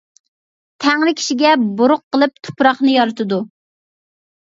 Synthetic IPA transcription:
t̪ʰæŋlɪkʲʰi̥ʃiɡʲɛboɾʊqːəlˠɨp̚t̪ʰʊ̥pɾɑχnɨjɑɾɨt̪ʰɨd̪u

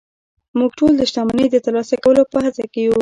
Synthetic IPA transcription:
muɡʈold̪əʃt̪ɑmanəjd̪ət̪əɾlɑsakawəlopəhat͡sakeju

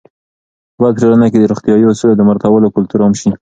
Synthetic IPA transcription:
bɑd̪̚ʈ͡ʂolanaked̪əɾoxt̪ijɑjosulad̪əmaɾt̪awəlokʊlt̪uɾamʃi

